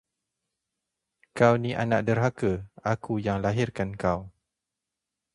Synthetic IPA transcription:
kawniʔa̰naʔ̚dərɦakəakujaŋlaɦirkankaw

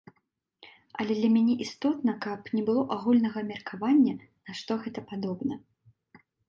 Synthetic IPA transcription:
ɐlʲɛd̪lʲɐmʲanʲɛʔist̪ɔt̪nɐkɐpnʲɛbɨlˠɔʔaɣulʲnɐɣɐmʲɛrkavanʲːɐ | nɐʂt̪ɔɣɛt̪ɐpad̪ɔbnɐ

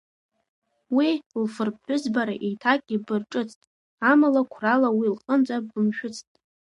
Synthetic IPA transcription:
wilfɨrp̚ħʊzbaɾa̰ʔejtʰakʼʲibɨrʈ͡ʂʼɨt͡sʰʼtʼ | amalakʷʰralawilχʼənt͡sʼaɨmʃᶣʊt͡sʰʼtʼ

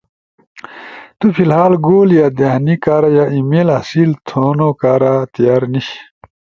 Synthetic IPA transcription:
t̪upʰilɦaːlɡoːljaːd̪ehnikaːɾajaimeːlɐsilt̪ʰoːnokaːɾat̪ijaːɾniɕ

